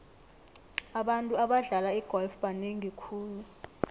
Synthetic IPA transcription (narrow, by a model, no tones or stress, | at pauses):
aɓantʼuaɓaɮalaiɡ̥ʱɔlfɓaneŋiikʰuːlu